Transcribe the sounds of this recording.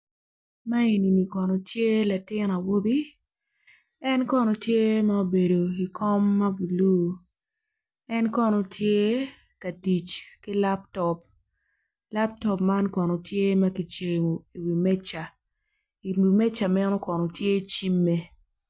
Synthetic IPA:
ma˦i˨ni˨ni˨kɔ˨no˨tje˦la˨tɪ˦na˨wo˦bi˦ | ɛ˦nkɔ˦no˨tje˦ma˦o˨be˨do˨i˨kɔ˦mːɐ˦bu˨lu˦˨ | ɛ˦nkɔ˦no˨tʰje˦ | ka˨di˨t͡ʃki˦la˦ptɔ˨p̚ | la˦p̚tɔ˦pma˦nkɔ˨no˨tje˦mɐ˦ki˨t͡ʃe˨o˨i˨wi˨mɛ˦t͡ʃa˨ | i˨wi˨mɛ˦t͡ʃa˨mɛ˦no˦kɔ˨no˨tje˦t͡ʃi˦mːe˦

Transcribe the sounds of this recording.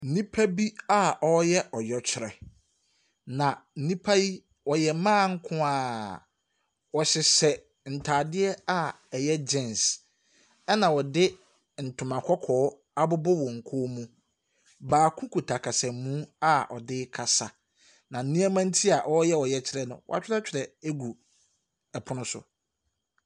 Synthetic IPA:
n̩˨nĩ˦pʰa˦bi˦a˨ɔ˦jɛ˦ʔɔ˨jɔ˨t͡ɕʰɪ˦ɾɛ̰˨ | nã˨n̩˨nĩ˦pʰa˦i˦ | wɔ˨jɛ˨mãː˦˨ŋ̩˦kʰʊ̃˦a˨ | wɔ˨ɕɪ˨sɛ˨ | n̩˨tʰaː˨dɪ˦ɛ˦a˨ | ɛ˨jɛ˦d͡ʑɪ̃˦˨ns | ɛ˦nã˨wɔ˨dɪ˦ | n̩˨tʰʊ̃˨mã˨kʰɔ˦kʰɔː˨˦ | a˦bʊ˦bʊ˦wɔ˨ŋ̩˨kʰʊ˦mũ˦ | baː˨kʰũ˦kʰu˨tʰa˨kʰa˨sɛ̃˨mũ˦a˦ɔ˨dɪ˦kʰa˨sa˨ | nã˨n̩˨nĩ˦a˦mã˦n̩˦tʰi˦a˨ʔɔ˦jɛ˦wɔ˨jɛ˨t͡ɕʰɪ˦ɾɛ˦nʊ̃˨wɔ̰˨a̰˨t͡ɕᶣɪ˦ɾɛ˦t͡ɕʰᶣɪ˨ɾɛ˨e˦ɡu˨ | ɛ˨pʰʊ˦nʊ̃˦sʊ̰˨

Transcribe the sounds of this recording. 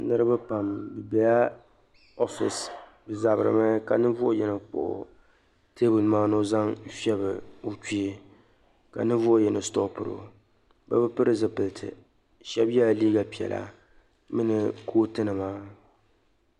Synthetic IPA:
nɨ˦ɾɨ˦ba˦pa˨mbɨ˨bɛ˨ja˦ | o˦fḭ˨s | bɨ˨za˨bɾɨ̰˨mɛ˦ka˨nɨ˦vʊ˦o˦jɛ˨nɨ˨k͡po̰˨ʔʊ̰˨ | te˦bɨ˨lmaː˦no˦za˦ŋ˦fi˦ɛ˦bɨ˨o˦ki˦e˨ | ka̰˨nɨ˦vʊ˦o˦jɛ˨nɨ˨sto˦pɨ˦ɾo̰˨ | ba̰˦bɨ˦pɨ˦ɾɨ˦zɨ˨pɨ˨ltʰɨ̰˨ | ʃɛ˦bja˦˨liː˦ɡa˨pi˨ɛ̰˨la̰˨ | mɨ˦nɨ˨koː˦tɨ˦nɨ˨maː˦

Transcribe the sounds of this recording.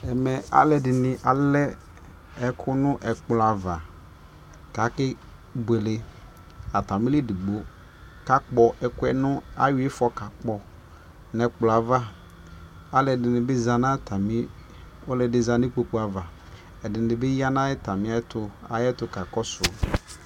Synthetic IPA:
ɛ˨mɛ˨a̰˦lɛ˨dɪ˨nɪ˨ʔa˨lɛ˦ | ɛ˨kʰʊ˦nʊ̃˦ʔɛ˨k͡pla˨va˨ | ka˨˦kɪ˦ | be˨le˨ | a˨ta˨mɪ̃˦le˦di˨ɡ͡bo˦ | ka˨k͡pɔ˨ʔɛ˨kʊ˦ɛ˦nʊ̃˦a˦wɪ˦fɔ˨ka˨k͡pɔ˨ | nɛ˨k͡pla˨va˦ | a˦lɛ˨dɪ˨nɪ̃˨bɪ˦za˨nã˦tʰa˨mɪ̃˦ | ɔ˦lɛ˨dɪ˨za˨nɪ˦k͡po˨k͡po˨˦a˨va˨ | ɛ˨dɪ˨ɪ̃˨bɪ˦ja˦nã˦ɛ˦ta˨mɪ̃˦a˦tʰʊ˨a̰˨jɛ˦tʊ˨ka˨kɔ˦sʊ˨

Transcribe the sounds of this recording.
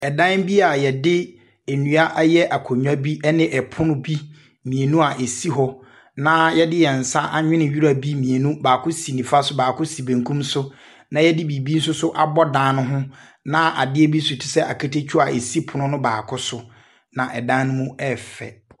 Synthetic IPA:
ɛ˨dã˦nbi˦a˨jɛ˨dɪ˦ | e˨nũ˨a˦ʔjɛ˦ʔa˨kʰo˨ɲᶣ˦a˦bi˦ɛ˦nɪ̃˦ʔɛ˨pʰʊ˦nʊ̃˦bi˦ | mĩ˨e˨nũ˦a˨ʔe˨si˦ɦɔ˦ | nã˨˦jɛ˦dɪ˦jɛ˨n̩˨sa˦ʔa˨ɲᶣɪ̃˦nɪ̃˨ɥi˦ɾa˦bi˦mĩ˨e˨nũ˦baː˨kʰʊ˦si˨nĩ˨fa˦sʊ˦baː˨kʰʊ˦si˨bẽ˨ŋkʰũ˦msʊ˦ | nã˨jɛ˦dɪ˦bi˨bi˦n̩˦sʊ˦sʊ˦ʔa˨bɔ˦dã˨˦nʊ̃˦ɦʊ̃˦nã˨ʔa̰˨dɪ˦ɛ˦bi˦sʊ˨tʰi̥˨sɛ˦ʔa̰˨kʰa˦te˦t͡ɕʰᶣu˦a˨ʔe˨si˦pʰʊ˨nʊ̃˦nʊ̃˦baː˨kʰʊ˦sʊ˨ | nã˨ʔɛ˨dã˦n˦nʊ̃˦mũ˦ɛ˦˨fɛ̰˨

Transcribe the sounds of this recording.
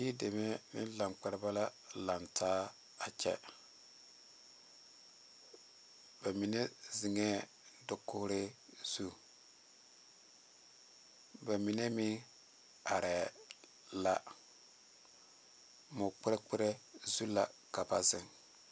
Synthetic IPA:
i˦de˨me˦mɪ̰˦n˦la˨ŋk͡pɛ˦ɾɪ˦ba˦la˦la˨ntʰaː˦ | a˨t͡ʃɛ̰˦ | b̥a˨mi˨ne˦zi˨ŋe˦ | dʊ˦kːʊ˦hɾe˦z̥u˦ | ba˨mi˨ne˦mɪ˦ŋ | a˨ɾɛ˨ | la˦ | mʊ˨k͡pɪ˦ɾe˦k͡pɪ˦ɾe˦zu˦la˨ka˨ba˦zɪ˨ŋ

